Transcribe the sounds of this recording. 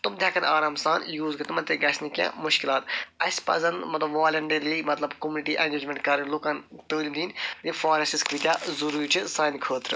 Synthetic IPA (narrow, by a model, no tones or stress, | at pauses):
t̪umt̪ʲjaːkʰɐnaːɾaːmsaːnjuːzɡɨt̪ɨmɐnt̪eɡɐsnikʲjã̰ːmʊʃkɪlaːt̪ɐsʲpɐ̰zɐnd̪mɐt̪lɐbʋaːlʲɐɳɖɐɾliːmɐt̪lɐbkomuniʈiːʔɐnʲd͡ʒɐd͡ʒmʲẽɳʈkɐɾɐnʲloːkaːnt̪əːliːmd̪iːndifaːɾɐsiskʋit̪ʲjaːzɐɾuːɾit͡ʃʰisaːnkʰəːt̪ɾɨ